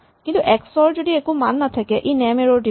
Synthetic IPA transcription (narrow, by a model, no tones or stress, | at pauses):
kint̪uʔɛksɔɹd͡ʒodiekumanːat̪ʰakɛʔinɛmeɹoɖi